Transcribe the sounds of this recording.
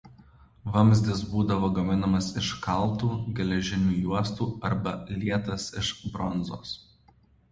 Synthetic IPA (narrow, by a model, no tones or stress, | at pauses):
ʋɐmʲzʲd̪ʲɪsbuːd̪ɐʋoːɡɐmʲɪnɐmɐsɪʃkɐlˠˑt̪uːɡʲɛlʲɛʒʲɪnʲuːjuɔst̪uːɐɾbɐlʲiɛt̪ɐsɪʃbɾɔnzo̰ːs